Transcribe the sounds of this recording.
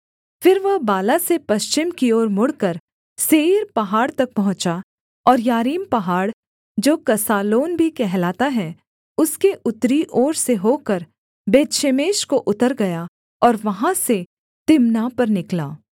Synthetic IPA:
fɪɾʋɐɦbaːlasepɐʃt͡ʃɪmkioːɾmʊɽkɐɾ | seːɾpɐɦaːɽt̪ɐk̚pɐɦʊ̃t͡ʃa | ɔːɾjaːɾiːmpɐɦaːɽ | d͡ʒoːkɐsaːloːnbʱikɛɦlaːt̪aɦɛ | ʊskeʔʊt̪ɾiʔoːɾseɦoːkɐɾ | beːtʃemeːʃkoʔʊt̪əɾɡɐja | ɔːɾʋɐɦãse | t̪ɪmnaːpɐɾnɪkla̰ː

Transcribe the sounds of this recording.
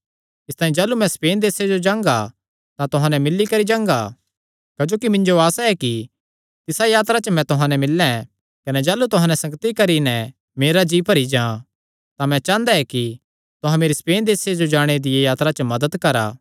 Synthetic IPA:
ɪst̪aːĩd͡ʒaːlumɛ̃speːnd̪eːsed͡ʒod͡ʒãːŋɡa | t̪ãt̪ʊɦãnɛmɪlːikɐɾid͡ʒãːŋɡa | kɐd͡ʒoːkimɪ̃ɲd͡ʒoaːsaɛki | t̪ɪsajaːt̪ɾat͡ʃəmɛ̃t̪ʊɦãnɛmɪlːɛ̃ | kɐnɛd͡ʒaːlːut̪ʊɦãːnɛsɐ̃ŋɡət̪ikɐɾinɛ | meːɾad͡ʒiːpɐɾid͡ʒãː | t̪ãmɛ̃t͡ʃãːnd̪aɛki | t̪ʊɦãmeːɾispeːnd̪eːsed͡ʒod͡ʒaːɽ̃ed̪ɪjejaːt̪ɾat͡ʃəmɐd̪əd̪kɐɾa̰ː

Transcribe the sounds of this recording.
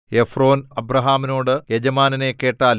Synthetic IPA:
efro̞ːnɐbrɐɦaːmino̞ːɽɨjed͡ʑɐmaːnɐne̞kːe̞ːʈːaːl

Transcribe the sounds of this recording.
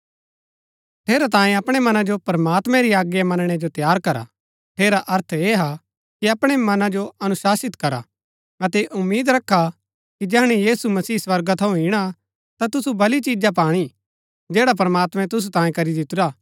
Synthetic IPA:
t̪ʰeːɾat̪ãːẽɐpɽ̃emɐnad͡ʒopɾɐmaːt̪mɛ̃ɾiaːɡjamɐnɽ̃ed͡ʒot̪jaːɾkɐɾa̰ | ʈ̪ʰeːɾaʔɐɾt̪ʰeːɦa | kiɐpɽ̃emɐnãd͡ʒoɐnʊsaːsɪt̪kɐɾa | ɐt̪ɛʔʊmːiːd̪ɾɐkʰːa | kid͡ʒɐɦɽ̃ijiːsumɐsiːswɐɾɡat̪ʰɐũɦiɽ̃a | t̪at̪ʊsubɐlit͡ʃiːd͡ʒap̬aːɽ̃i | d͡ʒeːɽap̬ɾɐmaːt̪mɛ̃t̪ʊs̬ut̪ãːĩẽkɐɾid̪ɪt̪ʊɾaː

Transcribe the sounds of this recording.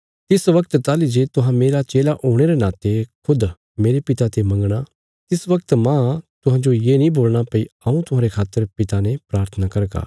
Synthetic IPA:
t̪ɪsʋɐkt̪t̪aːlid͡ʒet̪ʊɦãmeːɾat͡ʃeːlaʔoːɽ̃eɾenaːt̪ekʰʊd̪ | meːɾepɪt̪at̪emɐ̃ŋɡɽ̃a | t̪ɪsʋɐk̚t̪mãt̪ʊɦãd͡ʒojeːnĩboːlɽ̃apɐiɐũt̪ʊɦãːɾekʰaːt̪ːəɾpɪt̪anẽpɾaːɾt̪ʰənakɐɾɡa̰ː

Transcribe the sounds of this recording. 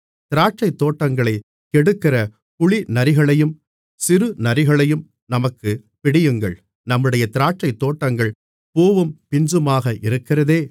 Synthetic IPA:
t̪ɪɾaːʈ̚t͡ʃɐɪt̪ːoːʈːɐŋɡɐɭɐɪ | kɛɽɯkːɪrɐ | pʊɭɪnɐɾɪɣɐɭɐjɯm | sɪɾɯnɐɾɪɣɐɭɐjɯm | nɐmɐkːɯ | pɪɽɪjɯŋɡɐ̰ɭ | nɐmːɯɽɐjɐt̪ɪɾaːʈ̚t͡ʃɐɪt̪ːoːʈːɐŋɡɐɭ | poːʋɯmpɪɲd͡ʒɯmaːɣɐʔɪɾɯkːɪrɐðeː

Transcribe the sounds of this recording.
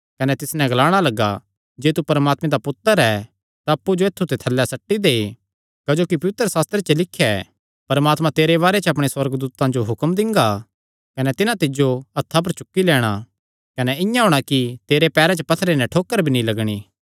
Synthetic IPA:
kɐnɛt̪ɪsnɛ̃ɡɐlaːɽ̃alɐɡa̰ | d͡ʒeːt̪upɐɾmaːt̪mẽd̪apʊt̪ːəɾɛ | t̪aɐpːud͡ʒoeːt̪ʰːut̪et̪ʰɐlːɛsɐʈːid̪eː | kɐd͡ʒoːkip̬ɐʋɪt̪ɾəsaːst̪ɾet͡ʃəlɪkʰːjɛ | pɐɾmaːt̪mãt̪eːɾeβaːɾet͡ʃəɐp̬ɽ̃eswɐɾɡd̪uːt̪ãd͡ʒoɦʊkmd̪ɪ̃ŋɡa | kɐnɛt̪ɪnãt̪ɪd͡ʒoɐt̪ʰːap̬ɐɾt͡ʃʊkːilɛːɽ̃a | kɐnɛɪ̃jãɦoːɽ̃akit̪eːɾepɛːɾɛ̃t͡ʃəpɐt̪ʰɾenɛ̃ʈʰoːkːəɾbʱinĩlɐɡɽ̃iː

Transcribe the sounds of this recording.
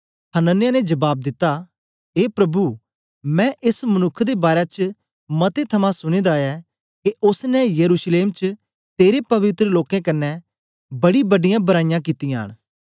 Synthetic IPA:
hənənːɪjaːned͡ʒɐbaːb̚d̪ɪt̪ːa | eːpɾɐbu | mɛ̃ːʔɪsmɐnʊkʰːd̪ebaːɾɛt͡ʃ | mɐt̪et̪ʰɐmãsʊɽ̃ed̪aɛ | keʊsnɛjɐɾuːsleːmt͡ʃ | t̪eːɾepɐʋɪt̪ɾəloːkẽkɐnːɛ | bɐɽibɐɖɪjãbɐɾaːɪjãk̬it̪ːijãːɽ̃

